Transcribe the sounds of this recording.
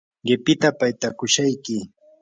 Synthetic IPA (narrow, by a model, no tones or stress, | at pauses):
ɢɪpɪt̪apajt̪akʊʃajkɪ